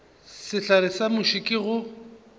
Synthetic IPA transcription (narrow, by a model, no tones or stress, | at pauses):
sɪɬaɾɪsamʊʃikʼɪɣʊ